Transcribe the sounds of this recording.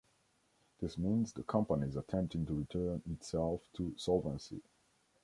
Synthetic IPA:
ðɪsmĩnzðəkʰʌ̃mpənizətʰɛ̃mp̚tɪ̃ŋtəɹitʰɜ˞nɪtsɛlˠftʰəsɔlˠvə̃nsḭ

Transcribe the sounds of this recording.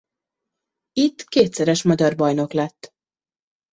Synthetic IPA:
it̪ːkeːt̪sɛɾɛʃmɒɟɒrbɒjno̞klɛt̪ː

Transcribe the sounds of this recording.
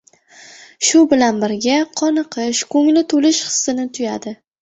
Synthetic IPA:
ʃʊbɪlanbɪɾɡʲaqʰɒnɨqʰɨʃkʰɵŋlɪt̪ʰolɪʃχɨ̥sːɪnɪt̪ʰʊjad̪ɪ

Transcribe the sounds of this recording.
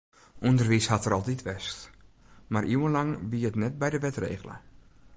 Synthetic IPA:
ʔundərʋishatərɔlˠtitʋɛst | marʔiwənlaŋbiətnɛt̚bɛjdəʋɛtrḛːɣələ̰

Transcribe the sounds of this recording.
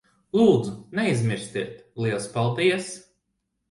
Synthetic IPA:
lˠuːd̪zunɛizʲmʲiɾsʲt̪iɛt̪lˠiɛlˠspalˠd̪iɛs

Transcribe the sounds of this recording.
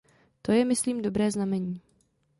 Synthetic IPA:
t̪o̞jɛmɪsliːmdo̞bɾɛːznamɛɲiː

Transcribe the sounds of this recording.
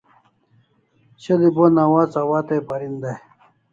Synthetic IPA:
ɕɐlibonawaːt͡sɐwaːt̪epɐɾind̪aj

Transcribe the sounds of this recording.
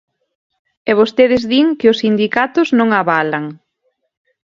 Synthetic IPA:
ɛβost̪eðɪzðiŋkɪʊsind̪ikat̪ʊznõŋaβalaŋ

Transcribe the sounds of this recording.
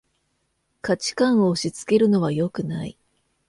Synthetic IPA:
kat͡ɕi̥kãɰ̃o̞ːɕit͡sɨ̥ke̞ɾɯ̟no̞βajo̞kɯ̟naḭ

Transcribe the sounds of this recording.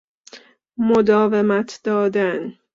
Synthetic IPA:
mod̪ɒːvemæt̪ʰd̪̥ɒːd̪æn

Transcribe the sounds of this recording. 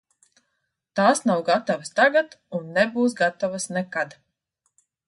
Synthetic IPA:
t̪aːsnawɡat̪avast̪aɡat̪unːɛbuːs̬ɡat̪ɔvasnɛkad̪

